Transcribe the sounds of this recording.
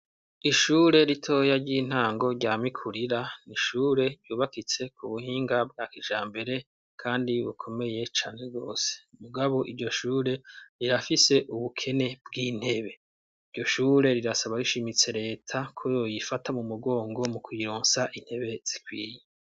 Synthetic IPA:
iʃuːɾe̞ɾitʰo̞ːjaɾɟiːn̥haːŋɡo̞ɾɟaːmikʰuɾiɾaniʃuːɾe̞ɾjuːβakit͡se̞kʰuβuhiːŋɡab̚ɡakiʒaːmbe̞ɾe̞ | kʰaːndiβṵkʰo̞me̞je̞t͡ʃaːne̞ɡo̞ːse̥muɡaβo̞ʔiɾɟo̞ʃuːɾe̞ɾiɾafise̞ʔuβukʰe̞ne̞bɡiːn̥he̞βe̞ | iɾɟo̞ʃuːɾe̞ɾiɾasaβaɾiʃimit͡se̞ɾe̞ːtʰakʰojojifatamumuɡo̞ːŋɡo̞mukwiɾoːnsaʔin̥he̞βe̞z̥ikwḭːje

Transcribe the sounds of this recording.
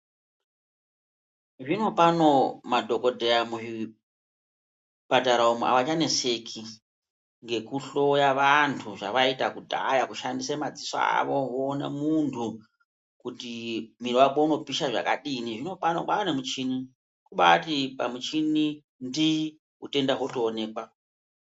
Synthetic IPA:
ʐino̞pano̞madʱo̞ko̞dʱeamui | pataɾaomuʔa̰ʋat͡ʃane̞se̞kʰi | ŋɡe̞kuɬo̞jaʋantʰuʐa̰ʋaitakudʱa̰jakuʃandisemad͡zisa̰a̰ʋo̞ʋoːnḛmuntʰu | kutimiriwakouno̞piʃaʐa̰ka̰ɗiniʐino̞panoɓanemut͡ʃini | kuɓatipa̰mut͡ʃini | ndi | ute̞ndaɦotoːne̞ːkwa

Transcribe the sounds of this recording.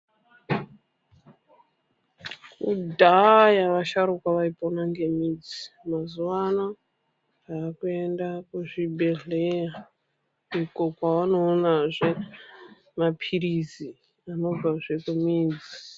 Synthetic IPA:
kudʱajaʋaʃaɾukwaʋaiponaŋɡe̞mid͡zi̥mazuʋana | aːkue̞ndakuʐibʱe̞ɮeja | iko̞kwaʋano̞ːnaʐe̞ | mapʰiɾizi | ano̞b͡vaʐe̞kumiːd͡zi

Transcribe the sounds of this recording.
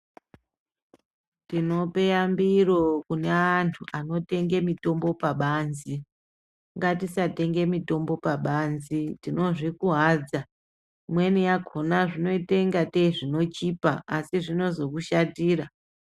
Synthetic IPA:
tino̞pe̞jambiro̞kuneantʰuano̞te̞ŋɡe̞mito̞mbo̞paɓaːnzi | ŋɡatisate̞ŋɡe̞mito̞mbo̞paɓanzitino̞ʐikuɦaːd͡za | mwe̞nijaɡʱo̞naʐino̞ite̞ŋɡateʐino̞t͡ʃipaasiʐino̞zo̞kuʃatiːra

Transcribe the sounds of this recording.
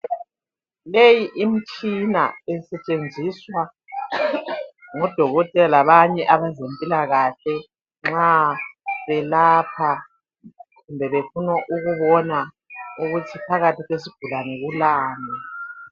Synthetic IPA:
lejiʔim̩t͡ʃʼina̰ɛsɛt͡ʃʼend͡zʱiswa | ŋɔd̥ʱɔɣɔtʼɛlalaβaɲɛʔaβazempʼilaɣaɬɛ | ŋ͡ǁa | βɛlaːpʰa | ɣumbʱɛβefunɔʔuɣuβɔna | uɣutʰipʰaɣatʰiɣesiɡ̥ʱulanɛɣulaːni

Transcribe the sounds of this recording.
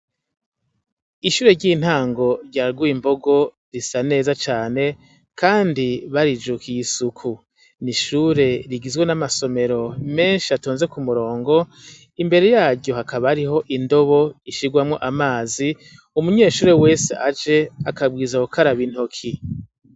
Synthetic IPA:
iʃuːɾe̞ɾɟiːn̥haːŋɡo̞ɾɟaɾɡwuimbo̞ɡo̞ | ɾisane̞ːzat͡ʃaːne̞ | kaːndiβaɾid͡ʒukijisukʰu | niʃuːɾe̞ɾiɡizɡwenamaso̞me̞ɾo̞me̞ːnʃiatoːnze̞kumuɾo̞ːŋɡo̞ | imbe̞ɾe̞jaːɾɟo̞ɦakʰaβaɾiɦo̞ʔindo̞βo̞iʃiɡwamŋo̞ʔamaːzi | umuɲe̞ːʃuːɾe̞we̞seʔad͡ʒe̞akab̚ɡiːzaukʰaɾaβin̥hokʰi

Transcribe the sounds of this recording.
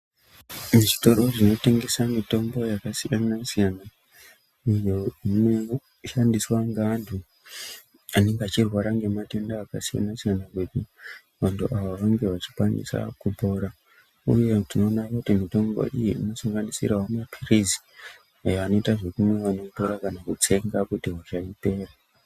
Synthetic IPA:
muʐito̞ɾoʐino̞te̞ŋɡe̞samito̞mbo̞jakasijanasijana | ijo̞ino̞ | ʃandiswaŋɡaːntʰu | ane̞ŋɡeat͡ʃirwaɾaŋɡe̞mate̞ndaːkasija̰nasijanaketi | ʋantʰuʔaʋoʋaŋɡe̞ʋat͡ʃi̥pandḭsa̰kuto̞ɾa | ṵje̞tino̞ːnakutimito̞mɡo̰ʔijiino̞saŋɡanisḭraɦomapʰirizi̥ | ajoano̞itaʐe̞kumweʋano̞toɾakanakut͡se̞ŋɡakutiwat͡ʃaite̞ra

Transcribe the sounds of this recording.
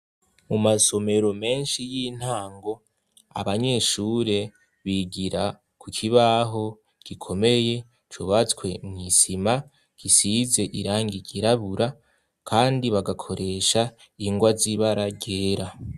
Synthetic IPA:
mumaso̞me̞ɾo̞me̞ːnʃijiːn̥haːŋɡo̞ | a̰βaɲe̞ʃuːɾe̞ | βiɡiɾa | kʰukʰiβaɦo̞ | ɡ̥ikʰo̞me̞je̞ | t͡ʃuβat͡skwe̞mŋisima | ɡ̥isize̞ʔiɾaːŋɡiɡiɾaβuɾa | kʰaːndiβaɡakʰo̞ɾe̞ːʃa | iŋɡwaziβaɾaɟeːɾa

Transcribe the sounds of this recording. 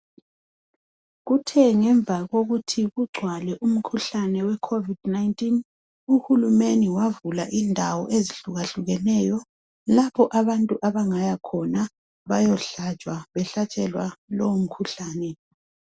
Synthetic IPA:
ɣutʰɛŋɛɱb̪vʱaɣoɣutʰiɣuɡ͡ǀʱwalɛʔum̩kʰuɬanɛwɛkʰovidnaintʼin | uhulumeniwavulaʔindʱawɔʔeziɬuɣaɬuɣɛnɛjɔ | lapʰɔʔaβantʼuʔaβaŋajakʰɔna | βajɔɬat͡ʃʼwaβɛɬat͡ʃʼɛlwalɔwm̩kʰuɬaːnɛ

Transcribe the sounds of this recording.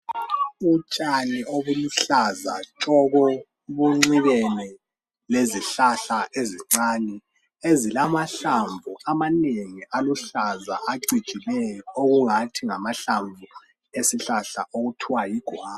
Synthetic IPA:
ut͡ʃʼanioβuluɬaza̰t͡ʃʼɔɣɔ | βuŋ͡ǀiβɛni | leziɬaɬaʔeziŋ͡ǀani | ezilamaɬaɱbvʱuamaneŋiʔaluɬaza̰ʔaǀi̥t͡ʃʼilɛjɔoɣuŋatʰiŋamaɬaɱvʱu | esiɬaɬaʔoɣutʰiwajiɡ̥ʱwaː

